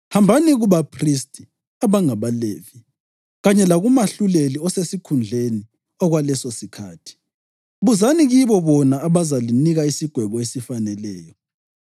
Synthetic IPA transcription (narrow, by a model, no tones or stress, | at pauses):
hambʱaniɣuβapʰristʼi | aβaŋaβaleːvi | ɣaɲɛlaɣumaɬuleliɔsesikʰund͡ɮʱeni | ɔɣwalɛsɔsikʰa̰ːtʰi̥ | βuzaniɣiβɔβɔnaːβazaliniɣaisiɡ̥ʱwɛβɔesifanɛlɛːjɔ